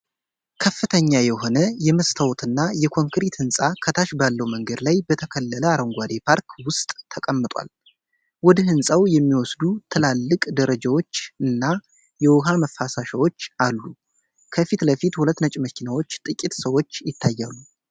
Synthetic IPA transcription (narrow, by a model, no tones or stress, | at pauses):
kʰəfːɨt̪ʰəɲːajɛɦo̞nəjɛməst̪ʰəwt̪ʰɨnːajɛkʰo̞ŋkɾit̪hɨnsʼakʰət̪ʰaʃbalːəwməŋɡəd̪lajbət̪ʰəkʰəlːələaɾəŋɡʷad̪epʰaɾkʰwʊst̪ʼːʰəkʼəmːɨt̪ʼwa̰l | wɔd̪hɨnsʼawjɛmːiwɔsd̪ut̪ʰɨlalːɨkʼd̪əɾəd͡ʒawo̞t͡ʃːɨnːa | jɛwʊɦaməfːasaʃawo̞t͡ʃːalːu | kʰəfit̪ləfit̪hulət̪ːnət͡ʃʼməkʰinawo̞t͡ʃːt̪ʼɨkʼːit̪səwo̞t͡ʃːjɪt̪ʰːajːalːu